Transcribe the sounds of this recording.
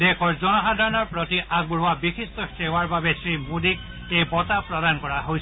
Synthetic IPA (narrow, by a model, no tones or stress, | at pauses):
dekʰɔɹzɔnɔɦad̪ʱaɹɔnɔɹpɹotiʔaɡ̚bɹuabikʰist̪ɔsewaɹbabesɹimud̪ik̚ | ejbɔtapɹɔd̪ankɔɹaɦojsʰ